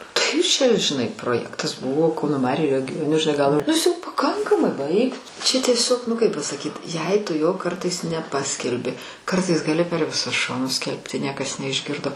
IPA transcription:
ˈtɐɪ t͡ʃʲɛ ʒʲɪˈnɐɪ proːˈjæːktɐs ˈbʊʋoː ˈkɐʊnoː ˈmɑːrʲʊ rʲɛɡʲoː nʊ ʒʲɪˈnɐɪ ɡɐlˠ nʊ ˈɪs jɛʊ pɐˈkɐŋkɐmɐɪ ˈbɐɪk tʊ t͡ʃʲɛ tʲiɛˈsʲoːk nʊ ˈkɐɪp pɐsɐˈkʲiːt jɛɪ ˈtʊ joː ˈkɐrtɐɪs nʲɛˈpɑːsʲkʲɛlʲbʲɪ ˈkɐrtɐɪs ɡɐˈlʲɪ pʲɛr ʋʲɪˈsʊs ˈʃoːnʊs ˈsʲkʲɛlʲpʲtʲɪ ˈnʲiɛkɐs nʲɛɪʒʲˈɡʲɪrdoː

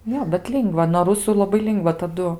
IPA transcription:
ˈjoː bʲɛt ˈlʲɪŋɡʋɐ noː rʊsʊ lˠɐˈbɐɪ ˈlʲɪŋɡʋɐ tɐˈdʊ

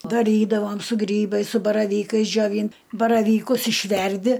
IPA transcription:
dɐˈrʲiːdɐʋoːm sʊ ˈɡrʲiːbɐɪs sʊ bɐrɐˈʋʲiːkɐɪs d͡ʒʲoːˈʋʲiːn bɐrɐʋʲiːˈkʊs ɪʃʲˈʋʲɛrʲdʲɪ

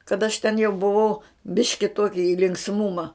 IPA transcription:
kɐt ɐʃ tʲɛn jɛʊ bʊˈʋɐʊ ˈbʲɪʃʲkʲɪ ˈtuɔkʲɪ ɪ lʲɪŋksˈmʊmɐ

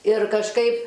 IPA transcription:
ɪr kɐʃˈkɐɪp

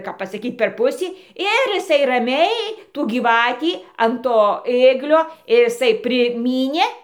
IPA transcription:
kɐp pɐsɐˈkʲiːt pʲɛr ˈpʊsʲiː ˈɪr ɪˈsɐɪ rɐˈmʲɛɪ tuː ɡʲiːˈʋɑːtʲiː ɐn ˈtoː ˈeːɡlʲoː ɪr ɪˈsɐɪ pʲrʲɪˈmʲiːnʲeː

